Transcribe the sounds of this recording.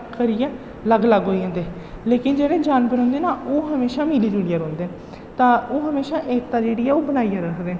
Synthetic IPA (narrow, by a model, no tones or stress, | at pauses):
kəɾijaː | ləɡləɡɦoːiːɦãːnd̪eː | leːkɪnd͡ʒeːɽẽːd͡ʒaːnbəɾõːnd̪eːnaːʔoːɦəmeːʃaːmiːliːd͡ʒuːɽijaːɾõːnd̪eː | t̪ãːoːɦəmeːʃaːʔeːkt̪ãːd͡ʒeːɽiːɛːoːbənaːijaɾəkd̪eː